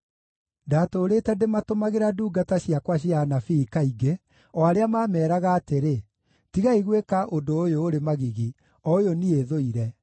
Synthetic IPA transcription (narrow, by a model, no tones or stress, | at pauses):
daːtoːɾetɛdematomaɣeɾaduːɡataɕiakwaɕianafiːkaiɡe | ɔaɾeamaːmɛːɾaɣaːteɾe | tiɣaiɣwekaʔondoːjoːɾemaɣiɣi | ɔojonieðoiɾɛ